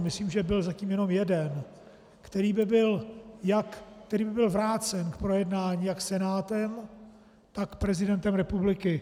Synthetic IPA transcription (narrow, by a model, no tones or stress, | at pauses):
mɪsliːmʒɛbɪlzaciːmjɛno̞mjɛdɛn | kt̪ɛɾiːbɪbɪljakːt̪ɛɾiːbɪbɪlvɾaːt͡sɛnkpɾojɛdnaːɲiːjaksɛnaːt̪ɛm | t̪akpɾɛzɪdɛnt̪ɛmɾɛpublɪkɪ